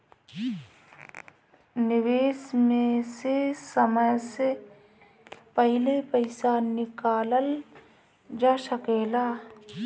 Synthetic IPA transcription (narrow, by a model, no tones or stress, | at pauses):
nɪʋeːsmẽsesəməjse | pəɦɪlepəɪsanɪkaːləl | d͡ʒasəkeːlaː